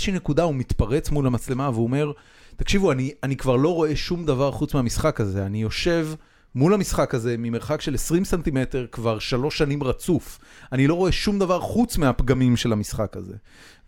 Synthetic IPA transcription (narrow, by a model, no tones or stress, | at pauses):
ʃinekud̪aumit̪paʁe̞t͡smulamat͡sle̞maveome̞ʁ | t̪akʃivuanianikvaʁlo̞ʁo̞e̞ʃumd̪avaʁχut͡smeamisχakaze̞anijo̞ʃe̞v | mulhamisχakaze̞mime̞ʁχakʃe̞lesʁimsant̪ime̞t̪e̞ʁkvaʁʃalo̞ʃːanimʁat͡suf | anilo̞ʁo̞e̞ʃumd̪avaʁχut͡smeapɡamimʃe̞lamisχakaze̞̰